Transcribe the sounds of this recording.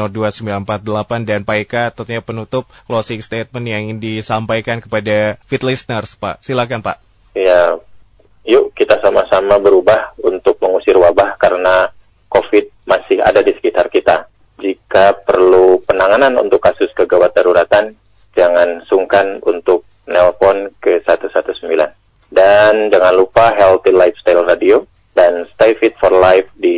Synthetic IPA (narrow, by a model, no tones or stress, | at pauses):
ɔduasəmbilanəmpat̪̚dəlapandanpaekat̪ənt̪uɲapənut̪ʊp̚klosɪkst̪et̪̚mənjaŋdisampajkankəpadafit̪lisnərspaʔsilakanpaʔ | ja | juʔkit̪asamasamabəɾubahunt̪ʊk̚məŋusɪrwabahkaɾəna | kofɪt̪̚masɪha̰dadisə̥kit̪arkit̪a | d͡ʒikapərlupənaŋananṵnt̪ʊkːasʊskəɡawat̪̚d̪aɾuɾat̪an | d͡ʒaŋansuŋkanṵnt̪ʊk̚ | nɛlfɔnkəsat̪usat̪usəmbila̰n | dand͡ʒaŋanlupaɦɛlt̪ilajfst̪ajlradio | danst̪ajfit̪̚fɔrlajfdi